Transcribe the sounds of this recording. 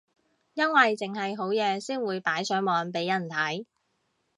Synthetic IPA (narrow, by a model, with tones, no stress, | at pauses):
jɐ˥nwɐ˨jt͡sɪ˨ŋɦɐ˨jɦo˨˥wjɛː˨˧siː˥nwuː˨˧jpaː˨˥jsœː˨˥mɔː˨˧npe˨˥jɐ˨˩nt̪ʰɐ˨˥j